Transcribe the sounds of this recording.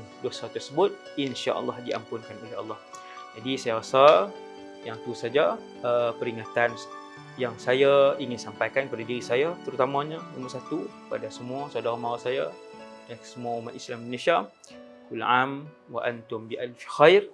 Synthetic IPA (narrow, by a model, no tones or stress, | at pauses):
dosat̪ərsəbʊt̪̚ | inʃa̰ʔɑ̰lːɑhdiʔa̰mpʊnkanoleɑ̰lːɑh | d͡ʒadisajaɣasa | jaŋt̪usad͡ʒa | əpəɾiŋat̪an | jaŋsajaiŋɪnsampajkankəpadadiɾisajat̪əɾut̪amãɲanumərsat̪u | pa̰dasəmũasadaɣamaɾasajadansəmuaumaʔislamminaʃa | kulʕam | waʔant̪ʊmbiʔalfxajr